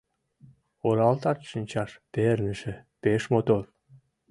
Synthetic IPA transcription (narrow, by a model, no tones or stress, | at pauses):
oɾɑlt̪ɑrʃənʲt͡ɕɑʃpernɘ̆ʃĕpeʃmot̪or